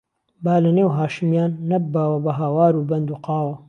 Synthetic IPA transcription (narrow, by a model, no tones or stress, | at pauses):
baːlɐneːwɦaːʃɨmjaːnːɐbaːwɐbɐɦaːwaːɾuːbɐnd̪uːqɑːwɐ